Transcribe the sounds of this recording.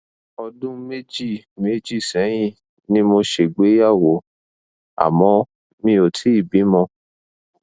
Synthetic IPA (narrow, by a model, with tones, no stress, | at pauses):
ɔ˧dũ˦me˦d͡ʒi˦˨ | me˦d͡ʒi˦˨sɛ̃˨˦j̃ĩ˦˨ | nĩ˦mo˧ʃe˨ɡ͡be˨˦ja˦˨wo˨˦ | a̰˨mɔ̃˧˦ | mĩ˧o˨tʰi˨˦i˦˨bi˨˦mɔ̃˧